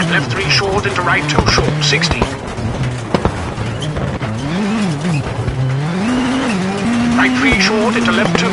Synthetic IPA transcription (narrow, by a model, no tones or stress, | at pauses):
lɛfθɹiʃɔɹɾɪ̃ntuɹaɪtʰoʊʃɔɹtsɪkstḭ | ɹaɪt̚fʰɹiʃɔɹɾɪ̃ntulɛptʰu